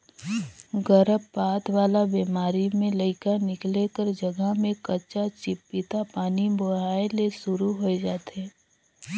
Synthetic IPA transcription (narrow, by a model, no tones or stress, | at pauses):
ɡəɾəbːaːt̪waːlabeːmaːɾimẽləɪkanɪklekəɾd͡ʒəɡəɦmẽkɐt͡ʃat͡ʃɪpːɪt̪apaːniboɦaːelesʊɾuɦoed͡ʒaːt̪ɛː